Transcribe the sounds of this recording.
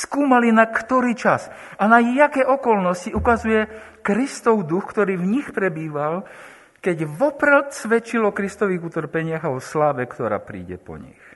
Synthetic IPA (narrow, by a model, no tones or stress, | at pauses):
skuːmalinakt̪ɔɾiːt͡ʃas | anajakɛːɔkɔlnɔsciukazujɛ | kɾist̪ɔʊd̪uxkt̪ɔɾiːvɲixpɾɛbiːʋal | kɛɟʋɔpɾɛlt̪sʋɛt͡ʃilɔkɾist̪ɔʋiːɣut̪r̩pɛɲɪaɣaɔslaːʋɛkt̪ɔɾa̰ːpɾḭːɟɛ̰pɔ̰ɲḭx